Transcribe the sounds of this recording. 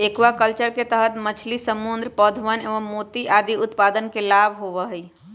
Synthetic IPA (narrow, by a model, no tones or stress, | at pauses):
ekʋakəlt͡ʃəɾket̪əɦət̪mət͡ʃʰlisəmund̪ɾpəd̪ʱʋəneʋəmːot̪iʔad̪iʊt̪pad̪ənkelabʱɦoʋəɦəj